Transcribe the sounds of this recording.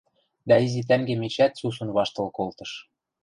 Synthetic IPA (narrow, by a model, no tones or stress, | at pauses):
d̪æizit̪̬æŋɡemet͡ɕæt̪susɤ̆nβɑʃt̪ɤ̆lkolt̪ɤ̆ʃ